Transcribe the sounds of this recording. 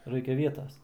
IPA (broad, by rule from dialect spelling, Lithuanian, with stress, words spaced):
ˈrɐɪkʲɛ ˈʋʲiɛtɐs